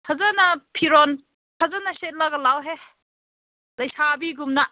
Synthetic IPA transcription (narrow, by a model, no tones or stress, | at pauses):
tʰazanapʰiɾɔn | tʰazanaset̚laɡɐlawɦe | lɐjsabiɡumna